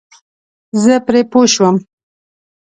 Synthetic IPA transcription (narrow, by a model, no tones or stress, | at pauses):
zəpɾepoʃwəm